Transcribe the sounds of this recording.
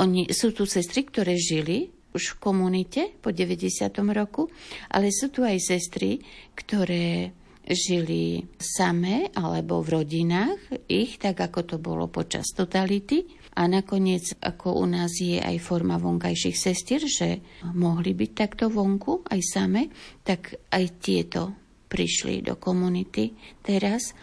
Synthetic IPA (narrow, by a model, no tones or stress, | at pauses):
ʔɔɲisuːt̪usɛst̪ɾikt̪ɔɾɛːʒili | uʃfkɔmunicɛpɔɟɛʋɛɟɛsɪat̪ɔmɾɔkuʔa̰lɛsuːt̪uajsɛst̪ɾikt̪ɔɾɛː | ʒilḭsamɛʔalɛbɔ̰vɾɔɟinaːxixt̪aɡakɔt̪ɔbɔ̰lɔ̰pɔt͡ʃa̰st̪ɔt̪alit̪i | ʔanakɔɲɪɛd͡zʔa̰kʰɔʔṵnaːzjɛʔa̰jfɔɾmaʋɔŋkajʃixsɛst̪ɪɛɾʒɛmɔɦlibic̚t̪akt̪ɔʋɔŋkuʔajsamɛt̪akʔajt̪ɪɛt̪ɔ | pɾḭʃlḭd̪ɔ̰kɔmunit̪it̪ɛɾas